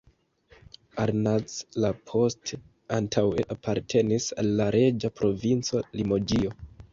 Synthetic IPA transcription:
aɾnat͡slapʰo̞ste | antʰaweʔapʰaɾtʰe̞nisalːaɾe̞d͡ʒapɾo̞vint͡so̞limo̞d͡ʒio

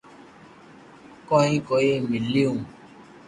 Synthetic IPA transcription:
kɔĩkojemiliu

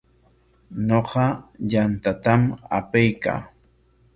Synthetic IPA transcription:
ɲoqɑʎant̪at̪ama̰pajka̰ː

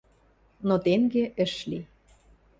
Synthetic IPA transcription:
not̪eŋɡeʔə̆ʃli

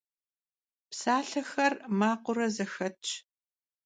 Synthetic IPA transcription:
psaːɬɐxɐrmaːqʷʊɾɐzɐxɐt͡ʃʰʼ

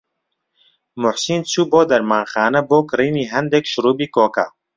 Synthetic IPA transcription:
mʊħsiːnt͡suːboːd̪ɐɾmaːnxaːnɐboːkɨɾiːniːɦɐnd̪ekʃʊɾuːbiːkoːka̰

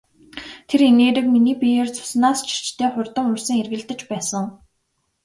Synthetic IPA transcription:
t̪ʰeɾeneːɾɘ̆kminiːpijeːrt͡sʊ̥snaːst͡ɕʰi̥t͡ɕt̪ʰeːχʊrʲt̪ə̆ŋɵrsɘ̆ŋerɣɘ̆ɮt̪ə̆t͡ɕpæːsə̆ŋ

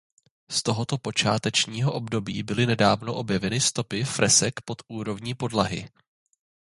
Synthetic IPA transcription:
st̪o̞ɦot̪opo̞t͡ʃa̰ːt̪ɛt͡ʃɲiːɦoʔo̞bdo̞biːbɪlɪnɛdaːvno̞ʔo̞bjɛvɛnɪst̪o̞pɪfɾɛsɛkpo̞t̪ʔuːɾo̞vɲiːpo̞dlaɦɪ̰

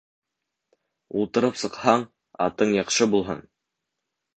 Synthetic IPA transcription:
ulˠt̪ɤ̆ɾɤpsɤ̆qhɑɴ | ɑ̰t̪ɤɴjɑqʃɤbulˠɦɤ̰n

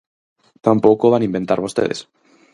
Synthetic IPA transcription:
t̪ampokoβanimbent̪aɾβost̪eðes

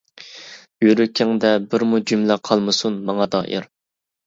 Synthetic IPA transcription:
jøɾykʲʰɪŋd̪ɛbɪɾmud͡ʒymlæqʰɑlˠmɨsunmɑŋɑd̪ɑ̰ːʔḭɾ

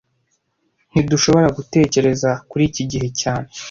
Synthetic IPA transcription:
n̥iduʃo̞βo̞ɾaɡute̞ːce̞ɾe̞zakuɾiːciɟiɦe̞caːne̞

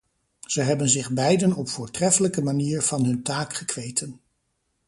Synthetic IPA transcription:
z̥əɦɛbənzɪχbɛjdənɔpfʊːɹtrɛfələkəmaniːɹv̥ɑnɦɵntaːkχəkʋejtʰən

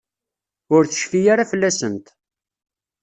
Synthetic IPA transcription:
ʊɾθə̥ʃfijaɾafəlːæsənt̪

